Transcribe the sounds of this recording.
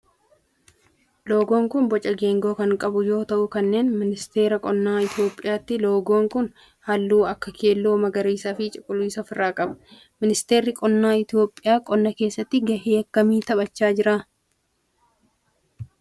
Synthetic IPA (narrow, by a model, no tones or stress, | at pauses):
lo̞ːɡo̞ːŋkʊnbɔt͡ʃʼɐɡe̞ːŋɡo̞ːkɐŋkʼɐbʊjo̞ːt̪ɐʔʊkɐnːe̞ːnmɪnɪst̪e̞ːɾɐkʼɔnːaːɪt̪ɪjo̞ːpʼːɪjaːt̪ːɪlo̞ːɡo̞ːŋkʊn | hɐlːuːɐkːɐkʰe̞ːlːo̞ːmɐɡɐɾiːsaːfɪt͡ʃʼɪkʼʊluːsɐfɪrːaːkʼɐbɐ̥ | mɪnɪst̪e̞ːɾːɪkʼɔnːaːɪt̪ɪjo̞ːpʼːɪjaːkʼɔnːɐke̞ːsːɐt̪ːɪɡɐheːkːɐmiːt̪ɐbɐt͡ʃːaːd͡ʒɪɾaː